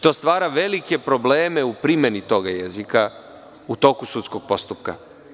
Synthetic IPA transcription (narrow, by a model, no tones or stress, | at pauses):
t̪o̞st̪ʋaːɾaʋe̞like̞pɾo̞ble̞ːme̞upɾimenit̪o̞ɡajezika | ut̪o̞ːkusut̪sko̞ɡ̥̚po̞st̪upka̰